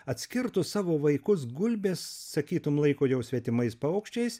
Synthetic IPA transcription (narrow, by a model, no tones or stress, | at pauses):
ɐt̪ʲsʲkʲɪɾt̪ʊssɑːʋoːʋɐɪkʊs̬ɡʊlʲbʲeːsːɐkʲiːt̪ʊmlˠɐɪkoːjɛʊsʲʋʲɛt̪ʲɪmɐɪspɐʊkʃʲt͡ʃʲɛɪs